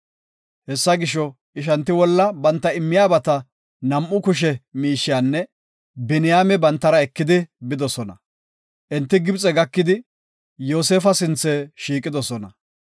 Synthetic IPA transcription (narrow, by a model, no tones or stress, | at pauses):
hɛsːɐɡɪʃːɔ | ʔɪʃɐnt̪ːɪwɔlːɐbɐnt̪ːɐɪmːɪjaːbɐt̪ɐ | nɐmʔʊkʊʃ̬ɛmiːʃːɪjaːnːɛ | bɛnɪjaːmɛbɐnt̪ːɐɾɐɛkːɪd̪ɪbɪd̪ɔsɔnɐ̰ | ʔɛnt̪ːɪɡɪbt͡sʼɛɡɐkːɪd̪ɪ | joːseːfɐsɪnt͡sːɛʃiːkʼːɪd̪ɔsɔnɐ̰